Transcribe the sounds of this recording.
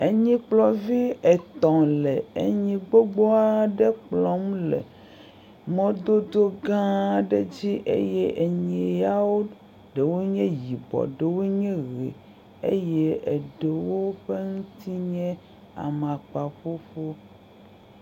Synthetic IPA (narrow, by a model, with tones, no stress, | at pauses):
e˨ɲĩ˦k͡plɔ˨vi˦e˨t̪ɔ̃˨le˨e˨ɲĩ˦ɡ͡bo˦ɡ͡bɔ˦a˦ɖe˦k͡plɔ̃˦m˦lḛ˨ | mɔ̃˦d̪o˦d̪o˦ɡã˦ɖe˦d͡ʑi˦ʔḛ˦je˦ʔe˨ɲe˨ja˦wo˦ | ɖe˨wo˦ɲɛ̃˦ji˨bɔ̰˨ɖe˨wo˦ɲɛ̃˦ɣḛ˨ | ḛ˦je˦e˨ɖe˨wo˦ɸe˦ŋũ˦t̪i˦ɲɛ̃˦ | a̰˨mã˨k͡pa˨ɸo˦ɸo˦